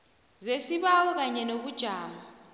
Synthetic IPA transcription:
zesiɓawɔk̬aɲɛnok̬ud̥ʒ̥ʱaːma

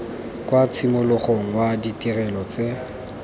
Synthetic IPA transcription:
kwat͡sʰimʊlʊχoŋ̩waditʼirɛlɔt͡se

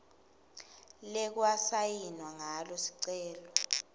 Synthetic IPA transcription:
lɛk̬wasajinwaŋalɔsi̥ǀɛːlɔ

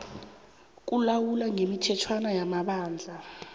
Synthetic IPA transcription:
k̬ʼulawulaŋemitʰɛtʰwanajamaɓaːnd͡ɮʱa

